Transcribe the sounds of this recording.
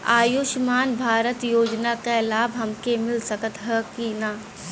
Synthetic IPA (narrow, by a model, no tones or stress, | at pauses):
a̰ːjuʃmaːnbʱaːɾət̪joːd͡ʒnakalaːbʱɦɐmkemɪlsəkət̪ɦəkinaː